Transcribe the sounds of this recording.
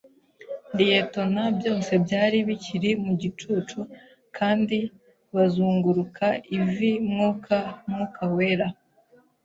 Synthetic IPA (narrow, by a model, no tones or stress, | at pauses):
dijeto̞nabjo̞ːse̞bjaːɾiβiciɾimuɟit͡ʃut͡ʃu | kʰaːndi | βazuːŋɡuɾukʰaivimŋukʰamŋukʰawe̞ːɾa